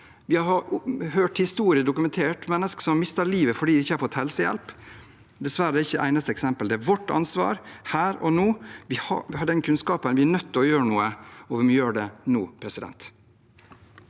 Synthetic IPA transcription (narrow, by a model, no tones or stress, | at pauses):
ʋɪhɑɾɑɾhøːʈhɪst̪uːɾɪəd̪ʊkʉmɛnt̪ʰeːʈmɛnːəskə̥sɔmɑɾmɪst̪əɾɭiːʋəfɔɖiːdɪɪçːəhɑɾfɔt̪hɛlsəjɛ̰lp | d̪ɛsʋæɾəɪçːəʔæ̰ɪnɑst̪əɛksɛmpəld̪ɛæʋɔʈːɑ̰nsʋɑ̰ːɾhæːɾɔ̰nuːʋɪhɑhɑd̪ɛnkʰʉnskɑːpənʋɪæɳœt̪ːɔjøːɾəɳuːəɔʋɛmjøːɖɛnuːpʰɾɛsɪd̪ɛ̰nt̪